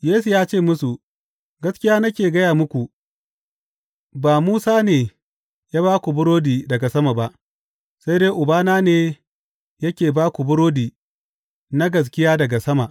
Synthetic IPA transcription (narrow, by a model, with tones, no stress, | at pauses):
jeː˦su˨jaː˦t͡ʃeː˦˨mʊ˦su˨ | ɡɐ˦skʲɪ˦jaː˦nɐ˦kʲeː˨ɡɐ˦jaː˨mʊ˦kʷu˨ | baː˨muː˦saː˦neː˨ | jaː˦baː˦kʷu˨bʊ˦ɽoː˦diː˨dɐ˨ɡa˨sɐ˦ma˨ba˦ʔ | sa˦jdeː˦ʔʊ˨baː˦naː˦neː˨ | jɐ˦kʲeː˨baː˦kʷu˨bʊ˦ɽoː˦diː˨ | na˦ɡɐ˨s̬kʲɪ˦jaː˦dɐ˨ɡa˨sɐ˦ma˨ʔ